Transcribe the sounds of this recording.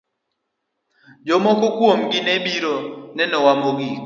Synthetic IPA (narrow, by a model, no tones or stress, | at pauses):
d͡ʒɔmɔkɔkwomɡɪnɛbiɾonɛnɔwamoɡi